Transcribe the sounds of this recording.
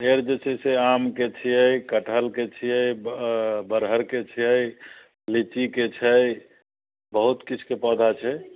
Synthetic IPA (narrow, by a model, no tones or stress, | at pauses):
eɾd͡ʒet͡ʃʰɛseamket͡ʃʰijəjkəʈʰəlket͡ʃʰijəj | bəɾɦəɾket͡ʃʰijəj | lit͡ʃiket͡ʃʰəj | bəɦut̪kit͡ʃʰu̥kepəd̪ʱat͡ʃʰɛ